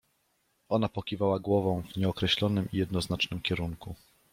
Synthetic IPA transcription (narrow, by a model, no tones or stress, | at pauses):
ɔnapɔkʲivawaɡwɔvɔ̃w̃vɲɛɔkɾɛɕlɔnɘmijɛd̪nɔznat͡ʂnɘmkʲɛɾuŋku